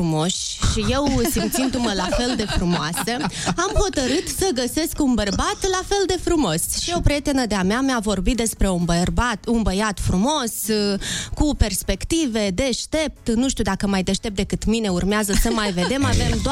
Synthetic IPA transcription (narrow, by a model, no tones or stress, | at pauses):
umo̞ʃʲʃije̞wsimt̪sind̪uməlafe̞ld̪e̞fɾumoasəamho̞t̪əɾɨt̪səɡəse̞skunbərbat̪lafe̞ld̪e̞fɾumo̞sʃiopɾie̞t̪e̞nəd̪eameameavo̞rbit̪̚d̪e̞spɾe̞unbərbat̪unbəjat̪fɾumo̞s | kupe̞rspe̞kt̪ive̞d̪e̞ʃt̪e̞p̚t̪nuʃt̪ud̪akəmajd̪e̞ʃt̪e̞p̚d̪ekɨt̪mine̞urmeazəsəmajve̞d̪e̞mave̞md̪o